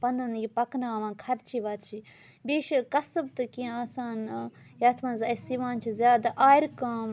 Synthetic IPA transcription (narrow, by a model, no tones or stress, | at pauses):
pɐnɐnjipɐknaːʋãːkʰɐɾt͡ʃʰiːʋɐɾt͡ʃʰi | biːʃkɐsɨbt̪ɨkĩaːsaːn | jaːt̪ʰmɐnzɐsiʋaːnt͡ʃʰizʲjaːd̪aʔaːiɾkaːm